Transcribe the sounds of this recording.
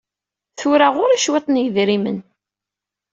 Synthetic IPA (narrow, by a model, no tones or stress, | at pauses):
θʊɾaʁʊɾæʃwet̪ˤnjəðɾimə̰n